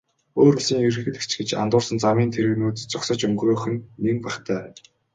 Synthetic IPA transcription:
oːrɵsiːŋirɘ̆xɘ̆t̪ɘ̥̆kt͡ɕɡet͡ɕa̰nt̪ʊːrsə̆nt͡samiːnt̪ʰeɾɘ̆ɣnuːt̪t͡sʊksə̆t͡ɕɵŋɡroːxɘ̆nːeŋpæχt̪ʰæː

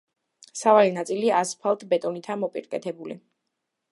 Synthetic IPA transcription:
savalinat̪sʼiliaspʰalˠt̪ʰbɛt̪ʼɔnit̪ʰamɔpʼḭɾkʼɛt̪ʰɛbuli

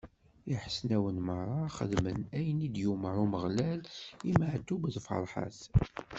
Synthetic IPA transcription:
iħəsnæwənmərˤːɑχə̰ðmənæjənid̪jumɾˤuməʁlæliməʕt̪ːubðfə̰ɾˤħa̰θ

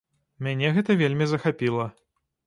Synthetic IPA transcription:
mʲanʲɛɣɛt̪ɐvʲelʲmʲizɐxapʲilˠɐ

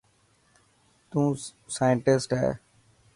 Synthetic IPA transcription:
t̪ũː | saːjəɳʈɪsʈɦɛ̰ː

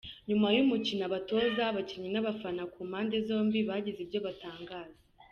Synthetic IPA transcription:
ɲumajumucinaβato̞ːzaβaciɲinaβafanakuːmhaːnde̞zo̞ːmbiβaɟizibjo̞βataːŋɡaːze

